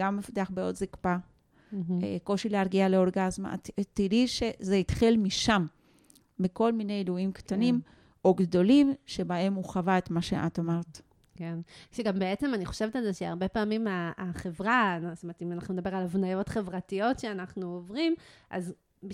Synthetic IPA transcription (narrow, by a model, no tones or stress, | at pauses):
ɡamːefḁt̪eaχbeo̞dzikpa | ko̞ʃileaʁɡiale̞o̞ʁɡazma̰ttidiʃezeitχilmiʃamː | iko̞lminejluimktanim | o̞ɡdo̞limʃe̞bae̞muχavaet̪maʃeʔa̰tomeʁt | kenʃeɡambeet͡semaniχo̞̥ʃe̞vet̪alzeʃea̰ʁbe̞paːmimaːχevʁanst̪omet̪imanaχnunedabe̞ʁalavnajo̞tχe̞vʁatijo̞tʃeanaχnuovʁimʔa̰z | b